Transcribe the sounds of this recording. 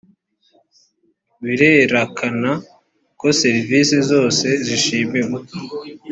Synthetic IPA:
βiɾeɾakʰana | ko̞se̞ɾivisezo̞ːse̞ziʃiːmimo

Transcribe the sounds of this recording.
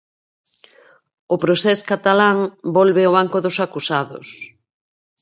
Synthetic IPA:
ʊpɾosɛskat̪alaŋbɔlβeoβ̞aŋkʊðʊsakusaðʊ̰s

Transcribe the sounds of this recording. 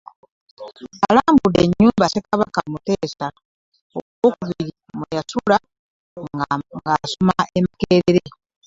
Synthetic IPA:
alaːmbudeɲːuːmbasekaβakamuteːsa | okoːkuβiɾi | mwejasula | ŋɡaːsomaʔemakeːɾeɾe

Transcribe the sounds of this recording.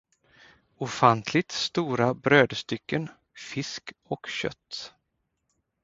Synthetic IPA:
ʊfant̪ʰlɪɡ̚t̪st̪uːɾabɾøːd̪st̪ʏkːən | fɪskɔkɕœ̰t̪ː

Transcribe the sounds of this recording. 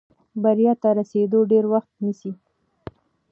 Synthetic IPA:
baɾjɑt̪aɾased̪oɖeɾwaxt̪̚nisi

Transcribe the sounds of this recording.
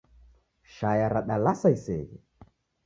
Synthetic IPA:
ʃajaɾaɗalasaisɛɣɛ

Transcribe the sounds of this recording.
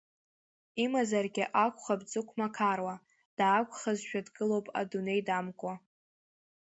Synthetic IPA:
imazarɡʲɪʔakʷʰʼχabd͡zʼɨkʷʰmakʰarwa | d̥aːkʷʼχazʃᶣadɡʼɨlo̞wpʼa̰dune̞jdamkʷʼa

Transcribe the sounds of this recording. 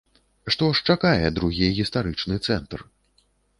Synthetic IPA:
ʂt̪ɔʂt͡ʂakajɛd̪ɾuɣʲiɣʲist̪aɾɨt͡ʂnɨt̪sɛnt̪r

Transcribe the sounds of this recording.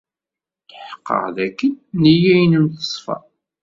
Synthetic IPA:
ħə̥qːə̰ʁðækːənːijæjnənt̪ə̥sˤfɑ̰

